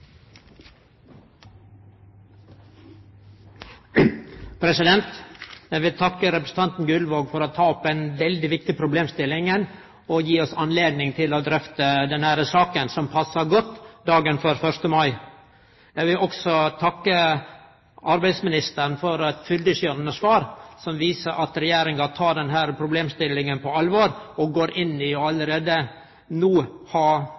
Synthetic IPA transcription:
pʰɾɛsɪd̪ɛnt̪jæɪʋɪlt̪ʰɑkːəɾɛpɾəsət̪ɑnt̪n̩ɡʉlʋoːɡfɔɾoːt̪ʰɑːɔpːɛɪnʋɛld̪ɪʋɪkt̪ɪpʰɾʊbleːmst̪ɪlɪŋən | oːjiːɔsɑnleːd̪nɪŋt̪ʰɪloːd̪ɾœft̪əd̪ɛnhæɾəsɑːkənsɔmpʰɑsːɑɾɡɔt̪ːd̪ɑːɡənføɾfœɾʂt̪əmɑɪ | jæɪʋɪlʔɔɡsɔt̪ʰɑkːə | ʔɑɾbæɪd̪smɪnɪst̪əɾnfɔɾɛt̪fʏld̪əʂjøːɾənəsʋɑːɾsɔmʋiːsəɾʔɑt̪ɾɛjeːɾɪŋɡɑt̪ʰɑːɖɛnɦæːɾpʰɾʊbleːmst̪ɪlːɪŋənpʰɔɑlʋoːɾɔɡoːɾʔɪnːɪjɔɑləɾeːd̪ə | nuːhɑː

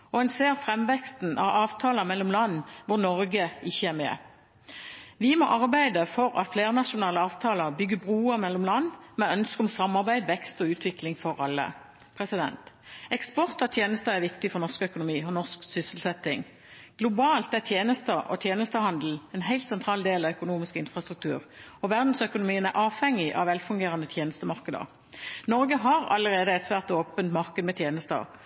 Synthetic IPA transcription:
ɔɛnseːʁfʁɛmʋɛkst̪n̩ʔɑ̰ʋɑːʋt̪ʰɑːləmɛlːɔmlɑnːʋʊʁnɔɾɡəɪçːəæʁmɛ̰ | ʋɪmɔʔɑʁbæɪd̪əfɔɾɑ̰t̪fleːʁnɑʃʊnɑːləɑːʋt̪ʰɑːləbʏɡːəbʁuːəmɛlːɔmlɑnːmɛœnskəɔmsɑmːɑʁbæɪd̪ʋɛkst̪ɔʉːt̪ʰʋɪklɪŋfɔɾɑlːə̰ | pʰʁɛsɪd̪ɛ̰nt̪ | ɛkspɔʁt̪ɑt̪ʰjeːnəst̪əæʁʋɪkt̪ɪfɔʁnɔʁskœkʊnʊmiːɔnɔʁsksʏsəl̩sɛt̪ːɪŋ | ɡ̥lʊbɑːlt̪æt̪ʰjeːnəst̪əʔɔ̰t̪ʰjeːnəst̪əhɑnd̪l̩ɛnɦæɪlt̪sɛnt̪ʰʁɑːld̪eːlɑʋœkʊnuːmɪskəɪnfʁɑst̪ʁʉkt̪ʰʉːʁɔʋæʁd̪n̩sœkʊnʊmiːənæʁʔɑːʋhɛŋːɪʔɑ̰ʋɛlfʉŋɡeːʁɑnət̪ʰjeːnəst̪əmɑʁkəd̪ə̰ʁ | nɔʁɡəɦɑʁɑ̰ləʁeːd̪əɛt̪sʋæːʁt̪oːpənt̪mɑʁkəd̪əmɛt̪ʰjeːnəst̪əə̰

